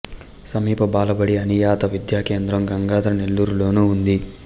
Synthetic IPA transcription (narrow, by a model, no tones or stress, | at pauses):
sɐmiːpɐbaːlɐbɐɽiɐnijaːt̪ɐʋid̪jaːke̞ːnd̪ɾɐmɡɐŋɡaːd̪ɐɾɐne̞lːuːɾulo̞ːnuund̪i